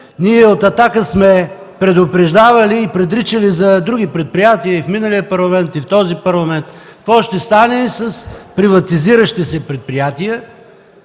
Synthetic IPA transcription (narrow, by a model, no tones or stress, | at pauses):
niɛot̪ɐt̪akəsmɛ | pɾɛd̪opɾɛʒd̪avɐliːpɾɛd̪ɾit͡ʃəlizɐd̪ɾuɡ̟ipɾɛt̪̚pɾijat̪iəifminəlijəpɐɾlˠɐmɛnt̪ift̪ɔzipɐɾlˠɐmɛnt̪kvɔʃt̪ɛst̪anɛsəspɾivɐt̪iziɾəʃt̪isɛpɾɛt̪̚pɾijat̪iə